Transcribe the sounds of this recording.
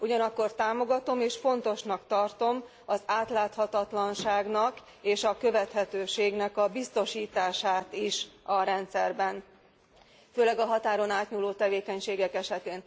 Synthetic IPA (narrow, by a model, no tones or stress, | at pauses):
uɟɒnɒkːo̞rt̪aːmoɡɒt̪o̞meːʃfo̞nt̪o̞ʃnɒkt̪ɒrt̪o̞m | ɒzaːt̪laːt̪hɒt̪ɒt̪lɒnʃaːɡnɒk | eːʃɒkø̞vɛt̪hɛt̪øːʃeːɡnɛkɒbist̪o̞ʃiːt̪aːʃaːt̪iʃɒɾɛnt̪sɛrbɛn | føːlɛɡɒɦɒt̪aːɾo̞naːt̪ɲuloːt̪ɛveːkɛɲʃeːɡɛkɛʃɛt̪eːn